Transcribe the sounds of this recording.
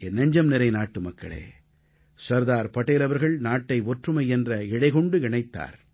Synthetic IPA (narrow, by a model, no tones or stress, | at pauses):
ɛnːɐɲd͡ʒɐmnɪɾɐɪnaːʈːɯmɐkːɐ̰ɭḛː | sɐɾðaːɾpɐʈːeːlɐʋɐɾɣɐɭnaːʈːɐɪɔʈrɯmɐɪɛndrɐɪɽɐɪɣɔɳɖɯɪɳɐɪt̪ːa̰ːɾ